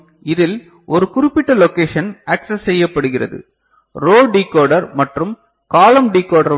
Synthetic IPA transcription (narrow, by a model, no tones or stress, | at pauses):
ɪðɪl | ʔɔɾɯkʊɾɪpːɪʈːɐlɔkeːʂɐnɐːksɐsːɛjːɐpːɐɽɯɣɪrɐ̰ðɯ̰ | ɾoːɖikːoːɖɐɾmɐʈrɯm | kaːlɐmɖikːoːɽɐɾ